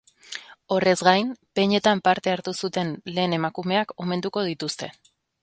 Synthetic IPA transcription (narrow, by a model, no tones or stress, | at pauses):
o̞re̞zɡajnpe̞ɲe̞t̪ampaɾt̪e̞aɾt̪usut̪e̞nle̞ːne̞makume̞ako̞me̞nd̪uko̞ð̞it̪ust̪e̞̰